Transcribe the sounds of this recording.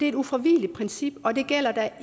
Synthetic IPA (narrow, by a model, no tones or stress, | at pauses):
e̝ɐe̝ɾufʁɒʋiːlid̥̚pʰʁɛnsib̥ɒ̽d̥e̝ɡ̥el̰ɐd̥æ